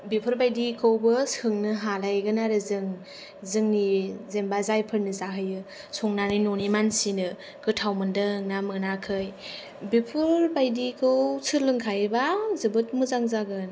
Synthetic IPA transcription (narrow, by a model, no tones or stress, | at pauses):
bipʰɯɾbajdikʰɯwbɯshɯŋnɯɦalajɡɯnaɾɯzɯŋ | zɯŋnizembazajpʰɯɾnɯzaɦɯjɯ | sɔŋnanɯjnonimansinɯ | kɯtʰawmɯndɯɯŋnamɯnakʰɯj | bipʰɯɾbajdikʰɯwsʰɯlɯŋkʰajɯbazɯbɯt̚mɯzaŋzaɡɯn